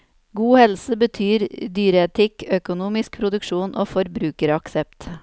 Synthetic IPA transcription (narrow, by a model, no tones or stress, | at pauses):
ɡuːhɛlsəbət̪ʰyːɾd̪yːɾəɛt̪ʰɪkœkʊnuːmɪsk̚pʰɾʊd̪ʉkʂuːnʔo̰ːfɔɾbɾʉːkəɾɑksɛp̚t̪